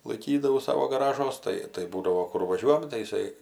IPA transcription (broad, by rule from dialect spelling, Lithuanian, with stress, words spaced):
lˠɐɪˈkʲiːdɐʋɐʊ ˈsɑːʋoː ɡɐˈrɑːʒuɔs ˈtɐɪ tɐɪ ˈbuːdɐʋoː ˈkʊr ʋɐˈʒʲuɔjɛm tɐɪ ɪˈsɐɪ